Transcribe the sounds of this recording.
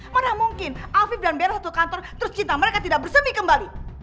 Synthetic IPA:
manamuŋkɪnʔafɪfdanbeɾasat̪ukant̪ɔrt̪əɾʊst͡ʃint̪aməɾekat̪idaʔ̚bərsəmikəmbali

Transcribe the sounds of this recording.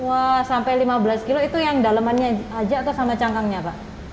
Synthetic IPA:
wahsampajlimabəlaskiloit̪ujaŋdaləmanɲaad͡ʒat̪usamat͡ʃaŋkaŋɲapaʔ

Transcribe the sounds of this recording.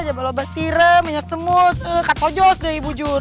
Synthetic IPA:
d͡ʒabalobasiɾəməɲak̪̚səmʊt̪əkat̪od͡ʒɔsdaibud͡ʒʊr

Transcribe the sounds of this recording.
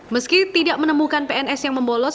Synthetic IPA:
məskit̪idaʔmənəmukanpeɛnɛsjaŋməmbolɔs

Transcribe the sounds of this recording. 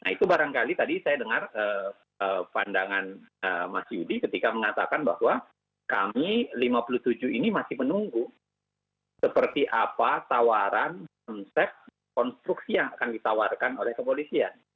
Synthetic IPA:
nait̪ubaɾaŋkalit̪adisajadəŋarə | əpandaŋanəmasiudikət̪ikaməŋat̪a̰kanbahwa | ka̰milimapuluht̪ud͡ʒuinimasɪhmənuŋɡu | səpərt̪iʔapat̪awaɾankɔnsɛp̚t̪̚ | kɔnst̪ɾuksijaŋakandit̪awarkanolɛhkəpolisian

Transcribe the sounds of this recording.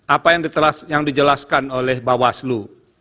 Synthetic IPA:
ʔapajaŋdit̪əlasjaŋdid͡ʒəlaskanolɛhbawaslu

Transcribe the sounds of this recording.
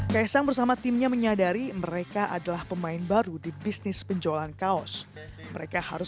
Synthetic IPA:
kajasaŋbərsamat̪ɪmɲaməɲadaɾiməɾekaʔadalahpəmaɪnbaɾudibisnɪspəɲd͡ʒolankaɔs | məɾekaha̰ɾʊ

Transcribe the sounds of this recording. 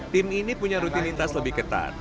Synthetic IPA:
t̪ɪminipuɲaɾut̪init̪asləbɪhkət̪a̰t̪̚

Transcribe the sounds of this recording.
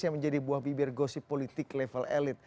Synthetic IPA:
iaməɲd͡ʒadibuahbibɪrɡosipolit̪ɪklɛfəlɛ̰lɪt̪̚

